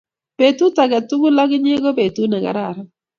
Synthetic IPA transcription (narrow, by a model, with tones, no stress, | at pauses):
pe˨tu˦ta˨ɡa˨tu˦ɡu˦la˦ɡɪ˦ɲe˦ɡo˦pe˨tu˦na˨ɡa̰˨ɾa˦˨ɾ